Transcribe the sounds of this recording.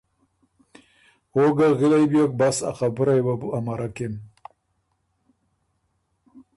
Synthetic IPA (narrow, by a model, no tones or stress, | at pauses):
oɡaɣilajbjok̚basa̰xabuɾajwabuamaɾakem